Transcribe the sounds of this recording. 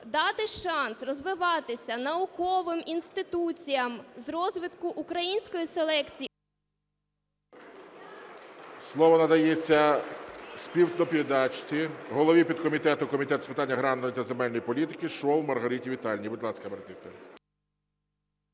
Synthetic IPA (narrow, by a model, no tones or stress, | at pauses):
d̪ɑt̪ɪʃɑnsrɔzʋɪʋɑt̪ɪsʲɐnɐʊkɔʋɪminst̪ɪt̪ut͡sʲijɐmzrɔzʋɪt̪kʊʔʊkɾɐjinʲsʲkɔjiselˠɛkt͡sʲi | slˠɔʋɔnɐd̪ɐjɛt͡sʲːɐ | spʲiw̪d̪ɔpʲiɾed̪ɑt͡ʃt͡sʲiɦɔlˠɔʋʲipʲid̪kɔmʲit̪ɛt̪ʊkɔmʲit̪ɛt̪spɪt̪ɑnʲːɐɦɾɑnːɔjit̪ɐzemɛlʲnɔjipɔlʲit̪ɪkɪʃɔwmɐrɦɐɾitʲiʋʲit̪ɑlʲnʲibɪd̪lˠɑsʲkɐmert̪ɪt̪ɐ